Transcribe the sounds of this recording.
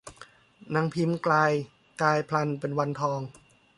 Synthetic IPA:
na˧˥ŋpʰi˧˥mklaː˧j | kaː˧jpʰla˧npe˧nwa˧nt̪ʰɔː˧ŋ

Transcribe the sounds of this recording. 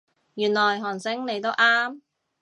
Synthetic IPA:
jyː˨˩nlɔː˨˩jɦɔː˨˩ŋsɪ˨˥ŋne˨˧jt̪o˥wʔaː˥m

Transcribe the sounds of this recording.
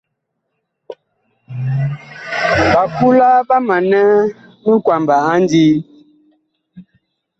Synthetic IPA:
ba˨ku˦la˦ba˦ma˨nɛ˦ | mə˦kwa˨mba˨a˦n˦di˦

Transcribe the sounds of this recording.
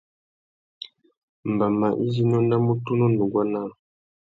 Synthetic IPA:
m˨ba˨ma˨ʔi˦zi˦n˦ɔ˦na˦mu˦tu˦nɔ˦ndu˨ɡwa˦na˦˨

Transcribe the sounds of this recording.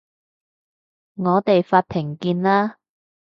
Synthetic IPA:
ŋɔː˨˧t̪e˨jfaː˧t̚p̪ʰɪ˨˩ŋkiː˧nlaː˥

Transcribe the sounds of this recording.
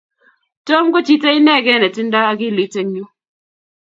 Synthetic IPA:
to˦mko˦t͡ʃi˦tɛ˦ɪ˦nɛ˦ɡɛ˦nɛ˨tɪ˦nda˦a˦ɡɪ˦lɪ˨˦te˦ŋɲu˦

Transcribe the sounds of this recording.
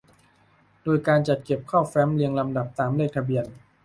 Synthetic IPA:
doː˧jkaː˧nt͡ɕa˨˩t̪̚ke˨˩p̚kʰaː˥˩wfɛː˦˥mli˧əŋla˧mda˨˩p̚t̪aː˩˦mleː˥˩k̚t̪ʰa˧bi˧ən

